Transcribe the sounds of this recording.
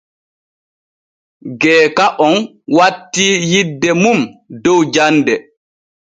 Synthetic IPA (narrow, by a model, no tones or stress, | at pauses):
ɡɛːkaʔɔn | watːijidːɛmumdɔwd͡ʒandɛ